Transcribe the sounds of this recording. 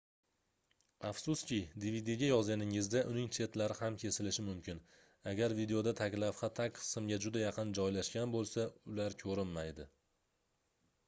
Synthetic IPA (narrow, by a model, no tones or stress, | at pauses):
afsʊskʲɪd̪ivid̪iɡʲajɒzɡʲanɪŋɪzd̪aʔʊnɪŋt͡ʃʰe̞t̪laɾɪhamkʲʰe̞sɪlɪʃɪmʊmkʲɪn | aɡʲaɾvid̪e̞o̞d̪at̪ʰakʲlafχat̪ʰakʲqʰɨ̥sɪmɡʲad͡ʒʊd̪ajɑqɨnd͡ʒɒjlaʃkʲanbolˠsaʊlaɾkʲʰɵɾɪmːajd̪ɪ